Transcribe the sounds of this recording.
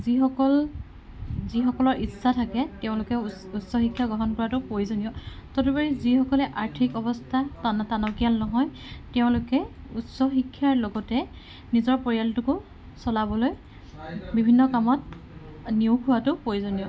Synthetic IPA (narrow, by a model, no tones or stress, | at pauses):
zixɔkɔl | zixɔkɔlɔɹisatʰakɛteʊ̃lʊkɛ | utsɔxikʰːjaɡɔɦɔnkɔɹatʊpojzonijɔtotubaɹizixɔkɔlɛʔaɹtʰikɔbɔstʰatantanɔkijalnɔɦɔj | tɛʊ̃lʊkɛutsɔxikʰːjaɹlɔɡɔtɛ | nizɔɹpɔɹijaltʊkʊ | sɔlabɔloj | bibʱinːɔkamɔt̚ | niʊkʰʊwatʊpojzonijɔ